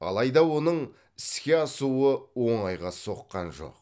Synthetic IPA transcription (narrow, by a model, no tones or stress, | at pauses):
ɑ̰lˠɑjd̪ɑwo̞nəɴ | ɪskʲeɑsuəwo̞ɴɑjʁɑso̞qːɑ̰nʒo̞̰q